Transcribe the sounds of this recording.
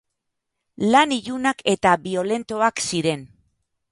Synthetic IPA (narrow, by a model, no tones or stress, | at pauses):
laniʎunake̞t̪aβio̞le̞nt̪o̞aksiɾe̞n